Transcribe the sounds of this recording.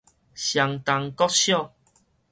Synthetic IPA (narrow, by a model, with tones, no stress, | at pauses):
ɕja˨˩ŋt̪a˧ŋkɔ˦t̚ɕjɔ˥˨